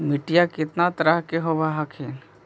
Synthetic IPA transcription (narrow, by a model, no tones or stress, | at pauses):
mɪʈijakɪt̪nat̪əɾaɦkeɦobaɦakʰen